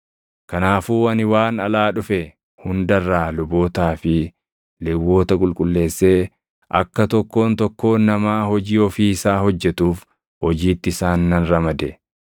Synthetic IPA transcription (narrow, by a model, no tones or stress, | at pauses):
kɐnaːfuːɐnɪwaːnɐlaːᶑʊfɛ | hʊnd̪ɐrːaːlʊbo̞ːt̪aːfɪ | lɛwːo̞ːt̪ɐkʼʊlkʼʊlːe̞ːsːeː | ʔɐ̰kːɐt̪ɔkːo̞ːnt̪ɔkːo̞ːnːɐmaːhɔd͡ʒiːɔfiːɪsaːhɔd͡ʒːɛt̪uːf | hɔd͡ʒiːt̪ːɪɪsaːnːɐnɾɐmɐd̪ɛ